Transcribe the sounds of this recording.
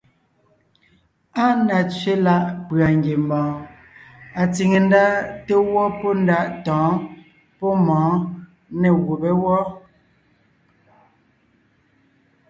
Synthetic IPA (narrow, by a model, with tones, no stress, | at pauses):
a˦na˨t͡sɥe˦la˦ʔpɰa˨ŋɡje˨m˨bɔ̃ː˨ | a˨t͡si˨ŋe˨n˦da˦te˦wɔ˦pɔ˦n˦da˦ʔtɔ̃ː˨˦ | pɔ˦mɔ̃ː˨˦ | ne˨ɣu˨be˦wɔ˦